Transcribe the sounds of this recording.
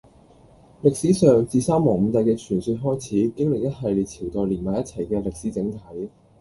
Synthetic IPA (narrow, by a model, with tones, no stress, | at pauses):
lɪ˨k̚siː˨˥sœː˨ŋt͡siː˨˧saː˥mɔː˨˩ŋm̩˨˧t̪ɐ˨˧jkɛː˧t͡ʃʰyː˨˩nsyː˧t̚ɦɔː˥jt͡sʰiː˨˥kɪ˥ŋlɪ˨k̚jɐ˥t̚ɦɐ˨jliː˨˩t͡sʰiː˨˩wt̪ɔː˨˩jliː˨˩nmaː˨˩jɐ˥t̚t͡sʰɐ˨˩jkɛː˧lɪ˨k̚siː˨˥t͡sɪ˨˧˥ŋt̪ʰɐ˨˥j